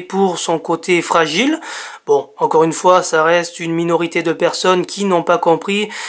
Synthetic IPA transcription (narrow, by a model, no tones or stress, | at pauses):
puʁsɔ̃kot̪ʰefχaʒilbɔ̃ɑ̃kɔʁynfwasaʁɛst̪ynminɔʁit̪ed̪əpɛʁsɔnkʲʰinɔ̃pakɔ̃pχi